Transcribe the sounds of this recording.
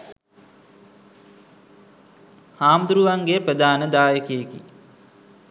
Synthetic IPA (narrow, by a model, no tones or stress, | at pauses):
haːmd̪uɾuʋaŋɡeprəd̪aːnəd̪aːjəkejekḭ